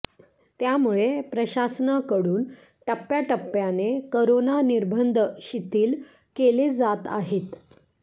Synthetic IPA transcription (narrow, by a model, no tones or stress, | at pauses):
t̪jamuɭepɾəɕasnakəɽuːn | ʈəpːjaʈəpːjanekəɾonaniɾbʱənd̪ʱəɕit̪iːl | keled͡zat̪a̰ɦet̪